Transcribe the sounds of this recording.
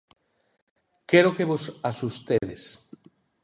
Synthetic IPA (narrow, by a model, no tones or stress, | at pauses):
keɾokeβosasust̪eðes